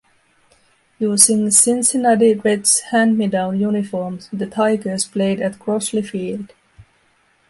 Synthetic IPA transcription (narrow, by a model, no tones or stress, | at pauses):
juzɪ̃ŋsɪ̃nsɪnadiɹɪdshæ̃nmɪdaʊnjunɪfɔɹmzðɨtʰaɪɡə˞z̥pʰleɪdɨt̚ɡ̥ɹɔslifiːlˠd̥